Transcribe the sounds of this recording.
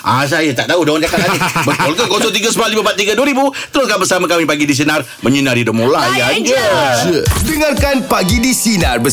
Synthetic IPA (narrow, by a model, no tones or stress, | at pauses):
ʔa̰s̬ajat̪aʔt̪audaankakaʔaɪbəkɔlkakɔsɔt̪iɡasəbalibəbat̪̚ːiɡaduaɾibut̪əɾʊskanbərsamakamipaɡidis̬inar | məɲinaɾidəmolajad͡ʒa | dəŋarkanpaɡidisinarbə